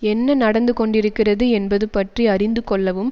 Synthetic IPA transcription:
ɛnːɐnɐɽɐnd̪ɯkɔɳɖɪɾɯkːɪrɐðɯɛnbɐðɯpɐʈriɐrɪnd̪ɯkɔɭːɐʋɯm

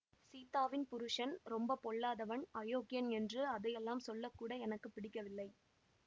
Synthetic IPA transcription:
siːt̪ːaːʋɪnpʊɾɯʂɐnɾɔmbɐpɔɭːaːðɐʋɐnɐjoːkɪjɐnɛndrɯɐðɐjɛlːaːmsɔlːɐkːuːɽɐɛnɐkːɯpːɪɽɪkːɐʋɪlːɐɪ

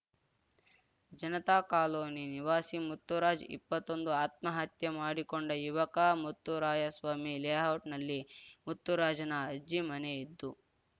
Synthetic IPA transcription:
d͡ʒɐnɐt̪aːkaːloːniniʋaːsimut̪ːuɾaːd͡ʒḭpːɐt̪ːond̪uaːt̪mɐɦɐt̪jɐmaːɽikoɳɖɐjuʋɐkaːmut̪ːuɾaːd͡ʒɐsʋaːmileːɦawʈnɐlːimut̪ːuɾaːd͡ʒɐnɐɐd͡ʒimɐneid̪ːu

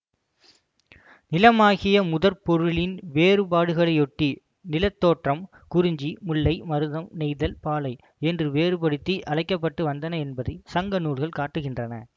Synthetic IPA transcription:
nɪlɐmaːɣɪjɐmʊðɐɾpɔɾɯɭɪnʋeːɾɯpaːɽɯɣɐɭɐɪɔʈːi | nɪlɐt̪ːoːʈrɐm | kʊɾɪɲd͡ʒimʊɭːɐɪmɐɾɯðɐmnɛɪðɐlpaːlɐɪ | ɛndrɯʋeːɾɯpɐɽɯt̪ːiʔɐlɐɪkːɐpːɐʈːɯʋɐnd̪ɐnɐɛnbɐðɐɪsɐŋɡɐnuːɭɣɐɭkaːʈːɯɣɪndrɐnɐ̰

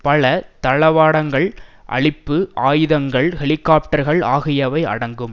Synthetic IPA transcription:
pɐlɐt̪ɐɭɐʋaːɽɐŋɡɐɭʔɐ̰ɭɪpːɯʔaːjɯðɐŋɡɐɭhɛɭɪkːaːp̚ʈɐɾɣɐɭa̰ːɣɪjɐʋɐɪɐ̰ɽɐŋɡɯm

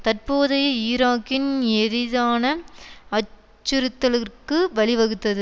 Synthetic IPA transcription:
t̪ɐrpoːðɐjiːɾaːkːɪnɛɾɪðaːnɐɐ | t͡ʃːɯɾɯt̪ːɐlɯkːɯʋɐɭɪʋɐɣɯt̪ːɐðɯ

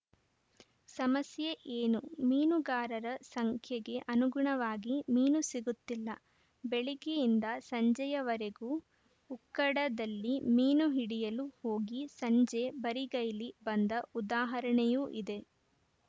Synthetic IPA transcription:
sɐmɐsjeʔeːnumiːnuɡaːɾɐɾɐsɐŋkʰjɐɡe̞ʔɐnuɡuɳɐʋaːɡimiːnusiɡut̪ːilːɐ | beɭiɡejind̪ɐsɐɲd͡ʒɐjɐʋɐɾeɡuː | ukːɐɽɐd̪ɐlːimiːnuɦiɽijɐluho̞ːɡisɐɲd͡ʒebɐɾiɡɐjlibɐnd̪ɐud̪aːɦɐɾɐɳɛjuːʔid̪e̞

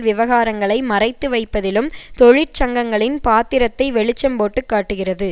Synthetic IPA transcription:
ʋɪʋɐɣaːɾɐŋɡɐɭɐɪmɐrɐɪt̪ːɯʋɐɪpːɐðɪlɯmt̪ɔɻɪt͡ʃɐŋɡɐŋɡɐɭɪnpaːt̪ːɪɾɐt̪ːɐɪʋɛɭɪt͡ʃːɐmboːʈːɯkːaːʈːɯɣɪrɐðɯ

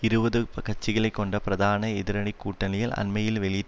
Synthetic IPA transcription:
ɪɾɯbɐðɯpɐkɐt͡ʃːɪɣɐɭɐɪkːɔɳɖɐpɪɾɐðaːnɐɛðɪɾɐɳikːuːʈːɐlɪjɪlɐ̰nmɐjɪlʋɛɭɪ

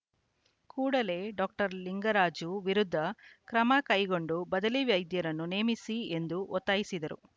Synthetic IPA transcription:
kuːɽɐle̞ːɖɔːk̚ʈɐɾliŋɡɐɾaːd͡ʒuʋiɾud̪ʱːɐkɾɐmɐkɐjɡo̞ɳɖubɐd̪ɐliʋjɐjd̪jɐɾɐnːune̞ːmisie̞nd̪uʔɔt̪ːaːjisid̪ɐɾṵ

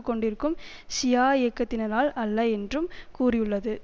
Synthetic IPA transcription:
ɯkːɔɳɖɪɾɯkːɯmsɪjaːɛːkːɐt̪ːɪnɐɾaːlɐlːɐɛndrɯmkuːrɪjɯɭːɐðɯ

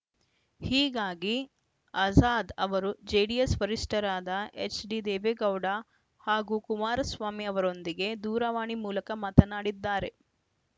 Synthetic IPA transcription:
hiːɡaːɡi | ɐzaːd̪ɐʋɐɾud͡ʒeːɽijesʋɐɾiʂʈɐɾaːd̪ɐet͡ʃɖid̪eːʋeːɡɐwɽa | haːɡukumaːɾɐsʋaːmiɐʋɐɾo̞nd̪iɡe̞d̪uːɾɐʋaːɳimuːlɐkɐmat̪ɐnaːɽid̪ːaːɾe̞

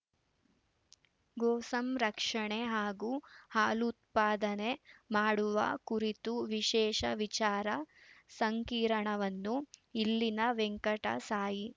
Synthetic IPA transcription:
ɡoːsɐmɾɐkʂɐɳe̞ɦaːɡuːhaːlut̪̚paːd̪ɐne̞maːɽuʋɐ̰kuɾit̪uʋiʃɛːʂɐʋit͡ʃaːɾɐsɐŋkiːɾɐɳɐʋɐnːuilːinɐʋeŋkɐʈɐ̰saːji

